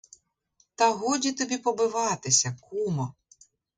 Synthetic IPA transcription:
t̪ɐɦɔdʲit̪ɔbʲipɔbɪʋɑt̪ɪsʲɐkumɔ

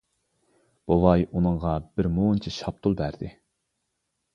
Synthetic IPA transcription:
b̥olɑjunɨŋʁɑb̥ɪɾmoːnt͡ʃʰiʃɑp̚t̪ʰulˠbæɾd̪ɪ

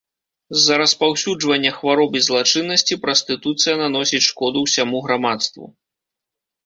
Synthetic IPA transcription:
zːɐɾɐspawsʲud͡ʐvɐnʲːɐxvaɾɔbɨzlˠat͡ʂɨnːɐsʲt͡sʲipɾɐsʲt̪ɨt̪ut̪sɨjɐnan̪ɔsʲit͡sʲʂkɔd̪uwsʲamuɣɾamat̪st̪vṵ

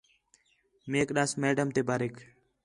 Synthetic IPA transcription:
meːkɗaːsmeːɖəmt̪eːbaːɾeːk

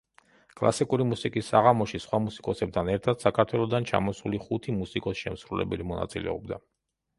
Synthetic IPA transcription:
kʼlˠa̰sikʼuɾimusikʼisːaʁamɔʃisχwamusi̥kʼɔsɛb̚d̪ʰanɛɾt̪ʰad̪̥sakʰaɾt̪ʰwɛlˠɔd̪ant͡ʃʰa̰mɔsuliχut̪ʰimusikʼɔsʃɛmsɾulɛ̰bɛlimɔna̰t̪sʼilɛ̰ɔbd̪a

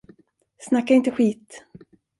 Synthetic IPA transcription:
snakːaɪnt̪əɧiːt̪

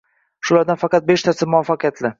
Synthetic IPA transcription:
ʃʊlaɾd̪anfɑqɑt̪̚beʃt̪ʰasɪmʊafːɑqjat̪ʰlɪ

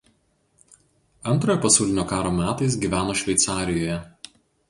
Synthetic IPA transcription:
ɐnt̪ɾoːjoːpɐsʲɐʊlʲɪnʲoːkɑːɾoːmʲæːt̪ɐɪs̬ɡʲiːʋʲæːnoːʃʲʋʲɛɪt̪sɑːɾʲɪjoːjɛ

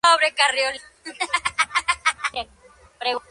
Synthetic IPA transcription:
oβɾekarjol | pɾeɣ

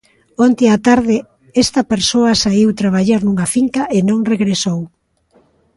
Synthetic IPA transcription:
ont̪ɪat̪aɾðɪ | ɛst̪ɐpeɾsoɐsaiwt̪ɾaβaʎaɾnuŋɐfiŋkaʔenõŋreɣɾesow

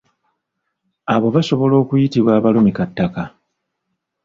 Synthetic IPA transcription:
aβo̞βaso̞βo̞lo̞ːkujitiβwaːβalumikatːaka

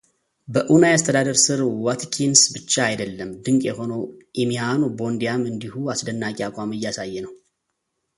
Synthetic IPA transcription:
bəʔunajast̪ʰəd̪ad̪əɾsɨɾwat̪ʰkʰinsbɨt͡ʃːaːjd̪əlːəmd̪ɨŋkʼjɛho̞noʔimianobo̞nd̪ijamɨnd̪ihuasd̪ənːakʼiakʷʼamɨjːasajːɛnəw

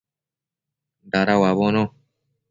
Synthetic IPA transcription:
d̪aɾawaβonõ

